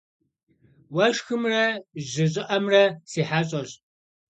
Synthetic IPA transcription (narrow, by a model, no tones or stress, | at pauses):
wɐʃxɨmrɐʑɪʑʼɪʔɐmrɐsiːħaːɕʼɐr